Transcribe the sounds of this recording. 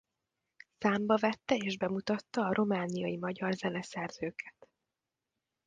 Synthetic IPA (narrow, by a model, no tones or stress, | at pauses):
saːmbɒvɛt̪ːɛeːʒbɛmut̪ɒt̪ːɒːɾʔo̞maːnijɒjimɒɟɒrzɛnɛsɛrz̥øːkʰɛ̥t̪